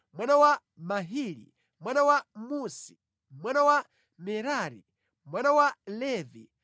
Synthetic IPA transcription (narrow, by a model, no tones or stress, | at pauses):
mwanawa | maɦiːɾḭ | mwanawamusi | mwanawa | mɛɾaːɾḭ | mwanawalɛvi